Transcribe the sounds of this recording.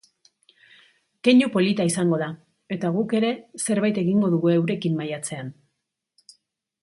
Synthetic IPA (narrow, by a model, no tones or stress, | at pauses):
ke̞ɲupo̞lit̪aisaŋɡoða | e̞t̪aɣ̞uke̞ɾe̞se̞ɾβajt̪e̞ɣiŋɡo̞ðuɣue̞wɾe̞kimːajat͡se̞an